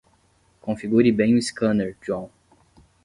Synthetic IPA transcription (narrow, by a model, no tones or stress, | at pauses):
kõfiɡuɾibẽj̃iskɐ̃neɾd͡ʒwɐ̃w̃